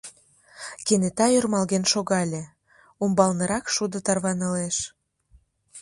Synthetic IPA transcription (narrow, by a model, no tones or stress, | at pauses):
kenet̪ɑjørmɑlɣenʃoɣɑlʲe | umbɑlnɤ̆ɾɑkʃud̪ot̪ɑrβɑnə̆leʃ